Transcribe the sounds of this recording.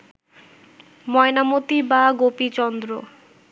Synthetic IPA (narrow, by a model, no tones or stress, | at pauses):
mɔenamot̪ibaɡopit͡ɕɔnd̪ɾo̰